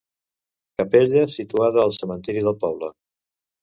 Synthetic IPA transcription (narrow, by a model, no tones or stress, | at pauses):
kəpeʎəsit̪uaðəːlˠsəmənt̪iɾiðəlˠpɔβlə